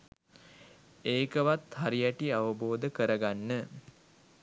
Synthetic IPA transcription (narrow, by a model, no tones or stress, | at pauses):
eːkəʋat̪haɾijæʈiaʋəboːd̪əkəɾəɡanːə